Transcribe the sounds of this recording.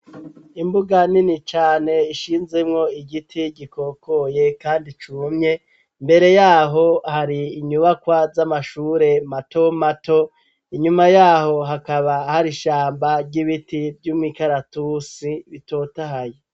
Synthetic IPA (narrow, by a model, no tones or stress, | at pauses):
imbuɡaninit͡ʃaːne̞iʃiːnze̞mŋo̞iɟitʰiɟikʰo̞ːko̞je̞kaːndit͡ʃumɲe̞ | mbe̞ɾe̞jaːɦo̞haɾiːɲuβakwazamaʃuːɾe̞mato̞mato̞ | iɲumajaːho̞ɦakaβahaɾiʃaːmbaɾɟiβitivjuːmŋiːkaɾatusiβito̞ːtaɦaje